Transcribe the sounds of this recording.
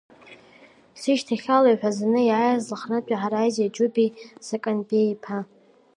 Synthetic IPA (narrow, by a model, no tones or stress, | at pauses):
siʃtʰaχʲalajħʷᶣazanɨjʕajazlaχnat͡ʃʷʼaħaɾajzad͡ʒʼubisakʼanbejpʰa